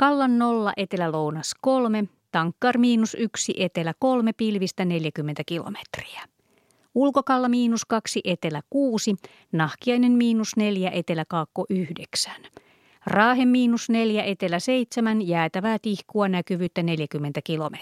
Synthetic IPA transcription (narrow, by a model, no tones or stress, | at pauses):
kɑlːɑnːolːɑ̰ʔet̪e̞lælownɑsko̞lme | t̪ɑŋkːɑrmiːnusyksiʔet̪elæko̞lme̞pilʋist̪æne̞ljækymːent̪ækilo̰me̥t̪ri̥æ̥ | ulkokɑlːɑmiːnuskɑksiʔe̞t̪e̞lækuːsi | nɑhkiɑjnemmiːnusne̞ljæʔe̞t̪e̞lækɑːkːoʔyhdeksæ̥n | rɑːɦemːiːnusne̞ljæʔe̞t̪e̞læse̞jt̪semænjæːt̪æʋæːt̪ihkuɑnækyʋyːt̪ːæne̞ljækymːent̪ækilo̞me